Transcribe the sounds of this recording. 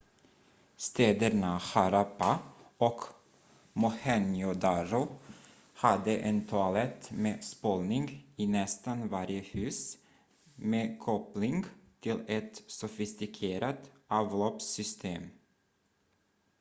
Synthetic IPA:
st̪eːd̪əɾɳahaɾapaɔk | mʊhɛnjʊd̪ɑɾʊ | had̪əʔɛnt̪ʰalɛt̪meːspoːlnɪŋɡiːnɛst̪anvaɾjəhʉ̟ːs | meːkʰɔplɪŋɡt̪ʰɪlɛt̪sʊfɪst̪ɪkʰeːɾat̪ʔɑːvloːpsʏst̪ʰeːm

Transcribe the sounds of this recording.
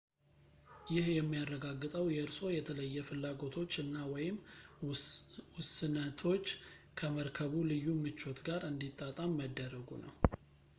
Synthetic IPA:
jɪhjɛmːijarːəɡaɡːɨt̪ʼəwjɛɨɾso̞jɛt̪ʰələjːɛfɨlːaɡo̞t̪ʰo̞t͡ʃːɨnːawɔjɪm | wʊsɨnət̪ʰo̞t͡ʃː | kʰəməɾkʰəβulɨjːumɨt͡ʃːo̞t̪ɡaɾɨnd̪it̪ʼːat̪ʼamːəd̪ːəɾəɡṵnə̰w

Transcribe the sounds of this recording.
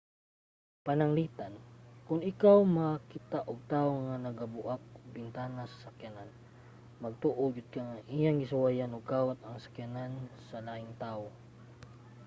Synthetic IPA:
panaŋliːt̪ankʊnɪkawmakɪt̪aʔoɡ̚t̪aːoŋanɐɡabʊʔak̚ʊɡ̚bɪnt̪aːnasḁsakjanan | mɐɡ̚t̪uʔoɡɪd̪̚kaŋaŋʔijaŋɡɪsʊwajanoɡ̚kaːwat̪̚ɐŋsḁkjanansalaɪŋt̪aːʔo

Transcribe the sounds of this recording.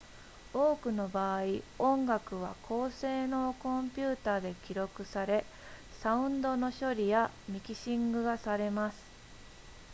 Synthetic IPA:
o̞ːkɯ̟no̞baːiõ̞ŋɡakɯ̟β̞akʰo̞ːse̞ːno̞kõ̞mpʲɨːt̪aːd̪e̞kʲiɾo̞kɯ̟saɾe̞ | saɯ̟̃nd̪o̞no̞ɕo̞ɾʲijamʲikʲiɕĩŋɡɯ̟ɡasaɾe̞masɨ̥

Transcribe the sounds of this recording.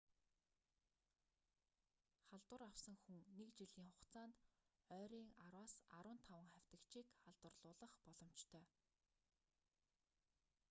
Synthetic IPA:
χaɮt̪wə̆rawsə̆ŋxuŋnekt͡ɕiɮiːŋχʊqt͡saːnt̪ | œːɾiːŋaɾwaːsa̰ɾʊːnt̪ʰawə̆ŋχæw̥ʲt̪ə̆kt͡ɕiːkχaɮt̪wə̆rɮʊːɮə̆χpɔɮɞ̆m̥t͡ɕt̪ʰœː

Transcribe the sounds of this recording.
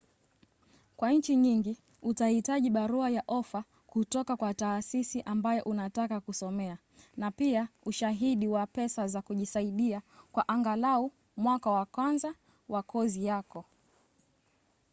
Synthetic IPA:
kwaɲ̩t͡ʃiɲiŋɡi | utahitaʄiɓaɾuajaʔɔfa | kutɔkakwataːsisiʔambajɔʔunatakakusɔmɛa | napiauʃaɦiɗiwapɛsazakuʄisaiɗiakwaʔaŋɡalau | mwakawakwanza | wakʰɔzijakɔ

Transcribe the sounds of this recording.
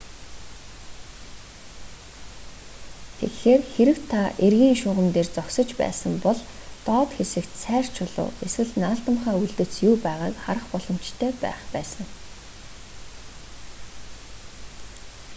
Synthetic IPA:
t̪ʰḛkxeːrxeɾɘ̆wt̪ʰːaʔerɣʲiːŋʃʊːʁə̆mt̪eːrt͡sɔksɞ̆t͡ɕpæ̰ːsə̆mpɔɮt̪ɔːt̪xesɘ̆kt̪sæːr̥t͡ɕʰʊɮʊ̰ːeswɘ̆ɮnaːɬt̪ə̆mχæːuɮt̪ɘ̆t͡sjuːpæːʁaːkχaɾə̆χpɔɮ̥ɞ̆m̥t͡ɕt̪ʰœːpæ̰ːχpæːsə̆ŋ

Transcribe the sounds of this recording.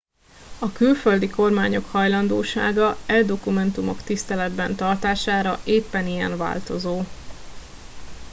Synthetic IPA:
ɒkylføld̪iko̞rmaːɲo̞khɒjlɒnd̪o̰ːʃa̰ːɡɒɛd̪o̞kumɛnt̪umo̞̰kt̪ist̪ɛlɛd̪bɛnt̪ɒrt̪aːʃaːɾɒʔeːpːɛnijɛ̰ɱva̰ːlt̪o̞zoː

